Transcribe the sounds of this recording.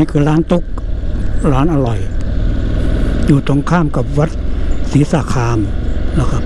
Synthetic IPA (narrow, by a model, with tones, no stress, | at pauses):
kʰɯː˧ɾaː˦˥nt̪o˦˥k̚ | ɾaː˦˥nʔa˧ɾɔ˨˩j | juː˨˩t̪ʰo˧ŋkʰaː˥˩mka˨˩p̚wa˦˥t̪̚siː˩˦saː˨˦kʰaː˧mla˧˩kʰa˦˥p̚